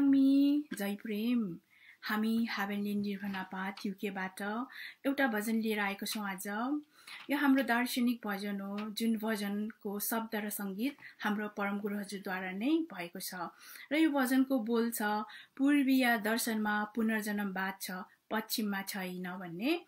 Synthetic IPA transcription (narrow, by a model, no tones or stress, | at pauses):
amid͡zʌjprem | hamihabenlenirbʱʌnapat̪ʰukebaʈʌewʈabʱʌd͡zʌnlieɾʌaekot͡sʰʌ̃w̃ad͡zʌjʌɦamrod̪ʌrsʌnik̚bʱʌd͡zʌnɦod͡zunbʱʌd͡zʌnkosʌb̚d̪ʱʌɾʌsʌŋɡit̪̚hamropʌɾʌmɡuɾʌɦʌd͡zurd̪waɾanʌjbʱʌekot͡sʰʌrʌjobʱʌd͡zʌnkobolt͡sʰʌpurbijad̪ʌrsʌnmapunʌrd͡zʌnʌmbad̪̚t͡sʰʌ | pʌtsʰimːat͡sʰʌjnʌbʱʌnːe